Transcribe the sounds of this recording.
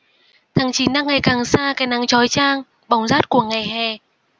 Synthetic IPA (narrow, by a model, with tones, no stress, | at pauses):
t̪ʰaː˨˦ŋt͡ɕi˨˦nɗaː˧ŋːa˨˩jkaː˨˩ŋsaː˧kaː˨˦jna˨˦ŋt͡ɕɔ˨˦jt͡ɕaː˧ŋ | ɓa˨˩wŋ͡mzaː˦˥t̚ku˧˩əŋa˨˩jɦɛ˨˩